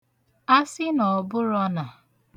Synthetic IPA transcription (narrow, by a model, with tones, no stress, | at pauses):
a˦sɪ˦nɔ˨bʊ˦ɾɔ˦na˨